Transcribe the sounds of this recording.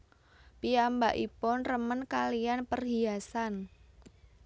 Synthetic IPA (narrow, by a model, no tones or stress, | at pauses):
piambaʔipʊnrəmənkalijanpərɦiasan